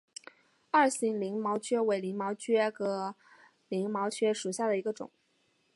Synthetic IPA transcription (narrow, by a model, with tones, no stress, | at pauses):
ɐ˥˩ɕi˧˥ŋli˧˥ŋmɑ˧˥ʊt͡ɕʰɥɛ˥we˧˥ɪli˧˥ŋmɑ˧˥ʊt͡ɕʰɥɛ˥ɡɤ˧˥˩ | li˧˥ŋmɑ˧˥ʊt͡ɕʰɥɛ˥ʂu˨˩ɕja˥˩d̪ə˩i˧˥ɡə˧ʈ͡ʂʊ̰˨˩˦